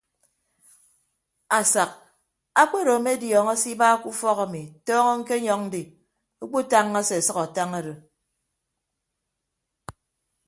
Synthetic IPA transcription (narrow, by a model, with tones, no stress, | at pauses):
a˨sa˨k̚ | a˦k͡pe˦ɾo˨me˦djɔː˨ŋɔ˦si˦ba˦ku˦fɔ˦ɣa˨mi˨tɔː˦ŋɔ˦ŋ̩˦ke˦ɲɔ˦ŋ̚n̩˦di˨ | o˦k͡po˦ta˦ŋːa˦se˨sʌ˦ka˨ta˦ŋa˦ɾo˨